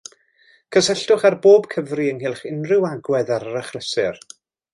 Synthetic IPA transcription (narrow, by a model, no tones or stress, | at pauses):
kʰəsɛɬdʊχarboːbkʰəvriənɦɪlˠχɪnrɪwaɡwɛðaɾəɾəχləsɨr